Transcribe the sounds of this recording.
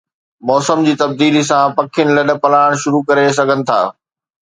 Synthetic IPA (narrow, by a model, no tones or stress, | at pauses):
mɔːsəmd͡ʑiːt̪ɐb̚d̪iːlis̬ãpɐkʰɪjənɪ̆lɐɗ̆pɐlaːɽ̃ʃʊɾukɐɾes̬ɐɡʱənɪ̆t̪ʰa̰ː